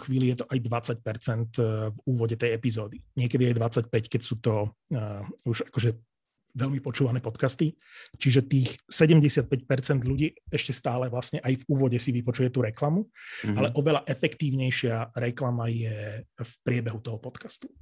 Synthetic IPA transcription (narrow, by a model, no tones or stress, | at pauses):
xʋiːlijɛt̪ɔʔajd̪ʋat͡sac̚pɛɾt͡sɛnt̪vuːʋɔɟɛt̪ɛjɛpizɔːd̪iɲɪɛkɛd̪iajd̪ʋat͡sac̚pɛckɛcsuːt̪ɔ | uʒakɔʒɛ | ʋɛʎmipɔt͡ʃuːʋanɛːpɔt̪kast̪i | t͡ʃiʒɛt̪iːxsɛɟɛmɟɛsɪat̪̚pɛc̚pɛɾt͡sɛnd̪ʎuɟiːɛʃcɛst̪aːlɛʋlasɲɛʔajvuːʋɔɟɛsiʋipɔt͡ʃujɛt̪uːɾɛklamualɛʔɔʋɛlaʔɛfɛkt̪iːʊɲɛjʃɪaɾɛklamajɛfpɾɪɛbɛɦut̪ɔɦɔpɔt̪kast̪u̥